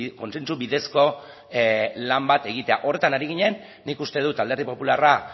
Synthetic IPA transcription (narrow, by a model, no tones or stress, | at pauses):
ko̞nse̞nt͡suβiðe̞sko̞ | lambat̪e̞ɣ̞it̪e̞a̰ʔo̞re̞t̪anaɾiɣiɲe̞nː | ikust̪eð̞ut̪ald̪e̞ɾðipo̞pulara